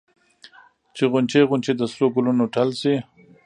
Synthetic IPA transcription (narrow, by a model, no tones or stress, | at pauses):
t͡ʃeɣʊnt͡ʃeɣʊnt͡ʃed̪əsloɡulunoʈalsi